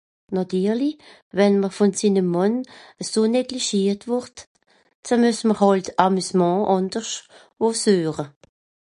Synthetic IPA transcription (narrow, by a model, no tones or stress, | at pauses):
nɔtyːʁli | vɛnməʁfɔnsiːnəmːɑnəsoːnɛɡliʃiːtvʊʁt | t͡sanmysməhɔltamysmɑ̃ːʔɑnd̥əʁʃ | oːsøːʁə